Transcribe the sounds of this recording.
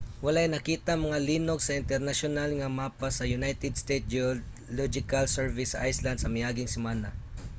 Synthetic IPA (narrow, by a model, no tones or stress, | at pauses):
wɐlajnɐkiːt̪amɐŋaliːnoɡ̚sɐɪnt̪ɛɾnaʃʊnalŋɐmaːpasɐjʊnajt̪ɛd̪st̪ejt̪̚d͡ʒo | lɔd͡ʒɪkalsɛɹvɪsɐʔajsland̪sɐmɪjaːɡɪŋsɪmaːna